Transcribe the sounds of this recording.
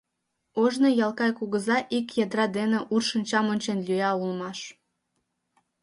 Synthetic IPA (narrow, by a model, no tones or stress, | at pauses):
oʒnɤjɑlˠkɑjkuɣəzɑʔikjɑd̪ɾɑd̪enĕʔurʃənʲt͡ɕɑmonʲt͡ɕenlʲyɑulˠmɑʃ